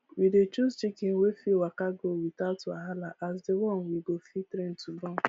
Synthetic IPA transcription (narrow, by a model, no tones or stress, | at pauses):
widet͡ʃuzt͡ʃikenwefiwakaɡowitaʊta̰ɦalaʔasdewɔ̃nwiɡofitɾen̩tubɔn